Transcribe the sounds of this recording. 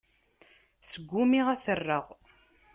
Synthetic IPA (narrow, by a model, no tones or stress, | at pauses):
səɡʷːʊmiʁæθərːəʁ